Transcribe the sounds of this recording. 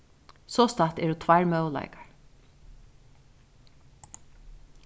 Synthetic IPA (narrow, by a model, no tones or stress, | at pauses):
sɔst̪at̪ɛɾut̪ʰvaɹmœwl̰ɪkḁɹ